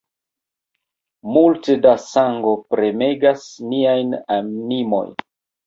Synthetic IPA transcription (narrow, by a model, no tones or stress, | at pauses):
multedasaŋɡo̞pɾe̞me̞ɡasniajnanimo̞̰jn